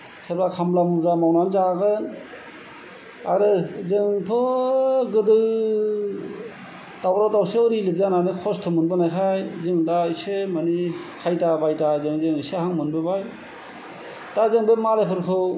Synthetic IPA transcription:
sʰɯɾbakʰamblamuzamawnanzaɡɯ | aɾɯzɯŋtʰɔ | ɡɯdɯ | dawɾatawseɔɾilip̚zananɯkʰɔstʰɔmɯnbɯnajkʰajzɯŋdaisemanikʰajtabajtazɯŋzɯŋisehaŋmɯnbɯbaj | dazɯŋbɯmalepʰɯɾkʰɯw

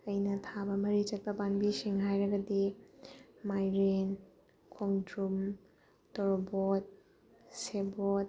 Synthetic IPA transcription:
ɐjnɐtʰabɐmɐɾit͡ʃɐk̚tɐbanbisiŋɦajɾɐɡɐdi | majɾen | kʰoŋdɾum | tɔɾbot̚ | sebot̚

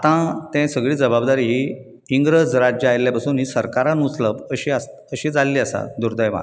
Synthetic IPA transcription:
at̪ãt̪ɛ̃səɡɭiːd͡zəbabd̪aɾiːɦi | iŋɡɾəd͡zɾad͡ʑəajljapasuːnɦiːsəɾkaɾãnut͡sləbəɕiːas | əɕiːd͡zalːiːəsa̰d̪uɾd̪əjma̰

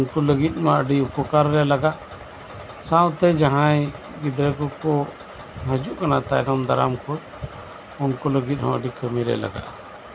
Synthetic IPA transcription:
nkuləɡit̪̚ˀmaʔəɖiupɔkaɾːɛlaɡaʔ | sãwt̪ɛd͡ʒaɦãj | ɡid̪ɾɛkɔkɔ | ɦəd͡ʒuʔkanat̪ajnɔmd̪aɾa̰mkut | unkɔləɡit̪̚ˀhɔ̃əɖikʰəmiɾɛ̰la̰ɡa̰ʔ

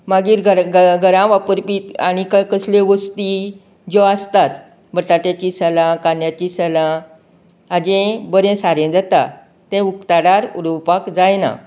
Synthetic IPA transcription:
maɡiːɾɡəɾɡɡʱəɾãʋapəɾpit̪aɽ̃ikəkəslẽʋəst̪i | d͡ʑɔast̪at̪ | bəʈaʈjat͡ɕisəlãkanjat͡ɕisəlãː | d͡ʑẽbəɾẽsaɾẽd͡zat̪a | t̪ɛ̃ukt̪aɽaɾuɾupakd͡zajna̰

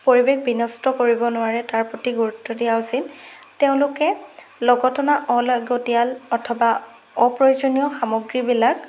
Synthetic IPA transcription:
poɹibekbinɔstɔkoɹibɔnʊwaɹɛtaɹpotiɡuɹutʰːɔdijaʊsil | teʊ̃lʊkɛ | lɔɡɔtɔnaʔɔlaɡotijalɔtʰɔba | ɔpɹojozonijɔxamoɡɹibilak

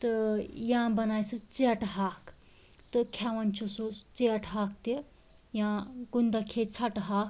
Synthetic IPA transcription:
t̪ɨjãbɐnaːjsut͡seɐʈɦaːk | t̪ɨkʰaʋɐnt͡ʃʰusut͡seɐʈɦaːk̚t̪i | jãɡund̪akʰet͡sʰɐʈɦaːk

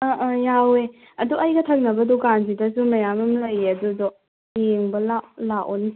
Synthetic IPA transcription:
ɐʔjawe | ɐduʔɐjɡɐtʰɐk̚nɐbɐdɔkanzidɐsumɐjamɐmlɐjɐdudɔ | jeŋbɐlalaʔɔni

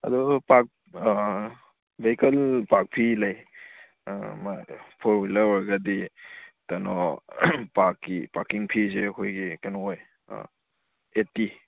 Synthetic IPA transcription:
ɐ̰dɔpak̚ | bekɐlpak̚pʰilaj | mapʰɔɾwilɐwaɾɡaditanɔ̰ | pakːipakiŋpʰizeɐkʰojɡikanɔoj̰ | eti

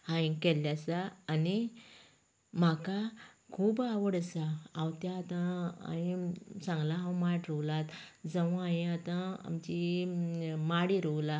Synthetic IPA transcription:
hãĩkɛlːjasaːni | makakʰuːbaʋəɽəsaãwt̪jaːt̪ãa̰ĩsãŋɡlaɦãwmaʈɾɔwlat̪ | d͡zəʋ̃ajĩat̪ãa̰mt͡ɕi | maɽiɾowla

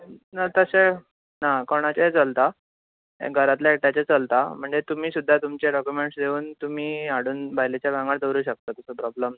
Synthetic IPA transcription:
nat̪əɕe | nakoɳ̃at͡ɕaet͡səlt̪a | ḛɡʱəɾat̪laeʈat͡ɕet͡səlt̪am̤əɳd͡zet̪um̤iːsud̪ʱːat̪umt͡ɕeɖɔkjumeɳʈsd̪euːnt̪um̤iːaɽuːnbʱajlet͡ɕjabʱãŋɡad̪əɾuːɕək̚t̪aːt̪əsəpɾɔbləm

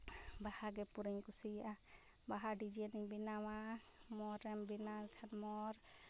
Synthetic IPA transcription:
bahaɡɛpuɾiŋkusija | baɦaɖid͡ʒɛnibinawa | mɔɾɛmbinalkʰanmɔɾ

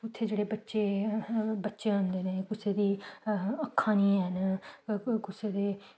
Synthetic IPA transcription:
ʊt̪ʰːeːd͡ʒeːɽeːbətːʃeː | bətːʃeːɦʊ̃nd̪eːnẽːkʊseːd̪iːəkʰːãːnĩːɦən | kʊseːd̪eː

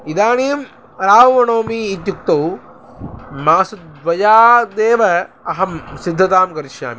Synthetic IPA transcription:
id̪aːneːm | ɾaːʋʋɐnoːmiːt̪̬juk̚t̪ɐw | maːsɐd̪ʋɐjaːd̪eːʋɐɐɦɐmsid̪ʱːɐt̪aːmkɐɾiʃja̰ːmi

